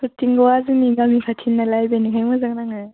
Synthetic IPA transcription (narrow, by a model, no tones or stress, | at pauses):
sutiŋɡɔwazɯniɡamikʰatʰinːalajbenikʰajmɯzaŋnaŋɯ